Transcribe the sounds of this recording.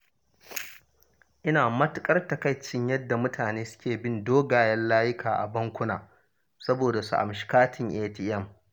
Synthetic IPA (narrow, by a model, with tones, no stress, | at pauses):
ʔɪ˦naː˨mɐ˦tʊ˦kʼɐ˦rtɐ˨ka˦jt͡ʃɪ˦ɲjɐ˦dːa˨mʊ˦tʰaː˨neː˦sʊ̥˦kʲeː˨bɪ˦ndoː˦ɡaː˨jɐ˦nlaː˦jɪ˦kʰaː˨ʔa̰˨bɐ˦ŋkʷʊ˦na̰ː˨ | sɐ˦boː˨da˨su˨ʔa̰˨mʃɪ̥˨kaː˦tʰɪ˨ŋʔeː˦ti˨ʔɛ˦˨m